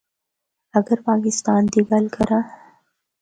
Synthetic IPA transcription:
ɐɡəɾpɑːkɪst̪ɑːnd̪iɡalkaɾa

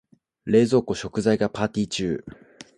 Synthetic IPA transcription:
ɾe̞ːzo̞ːko̞ɕo̞kɯ̟zaiɡapaːt̪ʲiːt͡ɕɨː

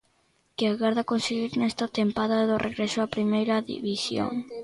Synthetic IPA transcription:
kɪaɣaɾðakonseɣiɾnɛst̪at̪empaðaðorʔeɣɾɛsoapɾimejɾɐðḭβisjo̰ŋ

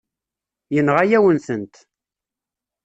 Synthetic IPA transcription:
jənʁajæwənsənt̪

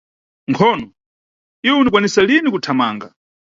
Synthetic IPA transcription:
ŋkʰɔːnɔ | iwɛunikwanisalinikutʰamaːŋɡa̰

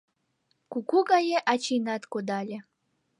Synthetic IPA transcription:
kukuɡɑjeʔɑt͡ɕinɑt̪kod̪ɑlʲe

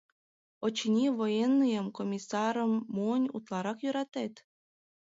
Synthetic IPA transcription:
ot͡ɕinʲiβojenːijəmkomʲisɑɾəmːunʲṵt̪lɑɾɑkjøɾɑt̪et̪

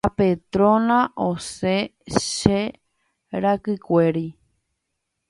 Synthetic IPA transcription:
apet̪ɾõnãʔoseʃe | ɾakɨkʷe̞ɾi

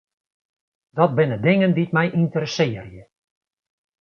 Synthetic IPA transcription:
d̥ɔt̚bɪnədɪŋəndit̚mɛjʔintəɾəsɪːərjə

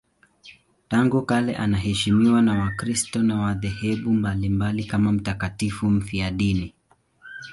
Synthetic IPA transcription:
taŋɡukalɛʔanaɦɛʃimiwanawakɾistɔnawaðɛhɛɓumbalimbalikamam̩takatifum̩fiaɗini

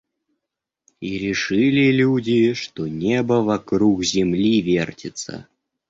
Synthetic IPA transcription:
iɾʲɪʂɨlʲɪlʲudʲɪʂt̪onʲebəvɐkɾukzʲɪmlʲivʲertʲɪt̪sə̰

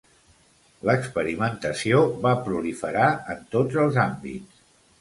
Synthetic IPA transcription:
ləkspəɾimənt̪əsioβapɾulifəɾaənt̪od͡zəlˠzambḭts

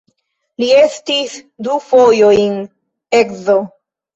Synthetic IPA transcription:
liestisdufojojn | ekzo

